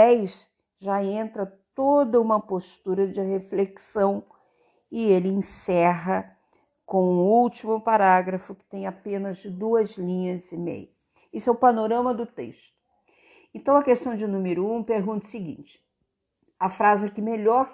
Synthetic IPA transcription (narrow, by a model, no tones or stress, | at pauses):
ɛjʃ | ʒaẽnt̪ɾɐt̪od̪ɐũmɐpost̪uɾɐd͡ʒɪɦefleksɐ̃w̃ | ɪelɪẽsɛɦɐ | kõw̃ũuwt͡ʃimʊpaɾaɡɾɐfʊkɪ̥t̪ẽj̃apẽnɐzd̪uɐzlĩɲɐzɪmḛjʊ | isʊɛʊpanoɾɐ̃mɐd̪ʊt̪ḛʃt̪ʊ̥ | ẽnt̪ɐ̃w̃ɐkest̪ɐ̃w̃d͡ʒɪnũmɪɾʊũpeɾɡũnt̪ɐsɪɡḭ̃nt͡ʃɪ̥ | ɐfɾazɪkɪmeʎɔɾ